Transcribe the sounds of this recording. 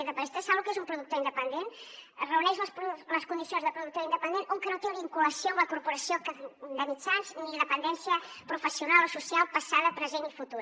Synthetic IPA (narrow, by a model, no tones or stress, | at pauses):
ðəpst̪esaβukezumpɾuðuk̚t̪oind̪əpənd̪enrəunɛʃlspləskund̪isionzðəpɾuðuk̚t̪oind̪əpənd̪enʔouŋkənot̪eβiŋkuləsjombləkuɾpuɾɐsijokd̪əmit͡ʃanzniləpənd̪ɛnsjəpɾufəsjunalˠosusjalˠpɐsaðəpɾəzenifut̪uɾ